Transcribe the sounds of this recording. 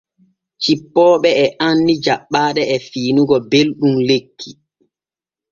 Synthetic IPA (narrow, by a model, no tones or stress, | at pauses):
t͡ʃipːɔːɓɛɛʔanːid͡ʒaɓːaːɗɛɛfiːnuɡɔbelɗumlekʰːi